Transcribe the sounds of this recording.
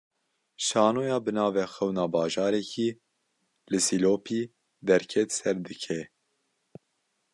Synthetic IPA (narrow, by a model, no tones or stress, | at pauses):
ʃɑːnoːjɑːbɨnɑːvɛːxɛwnɑːbɑːʒɑːɾɛkʰiː | lɨsiloːpʰiː | d̪ɛɾkʰɛt̪sɛɾd̪ɨkʰɛ